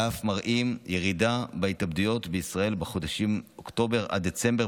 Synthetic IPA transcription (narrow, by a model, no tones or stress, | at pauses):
afmaʁʔimjeʁidabaitabdujo̞tbeisʁae̞lbeχo̞daʃimokto̞be̞ʁʔa̰d̪et͡se̞mbe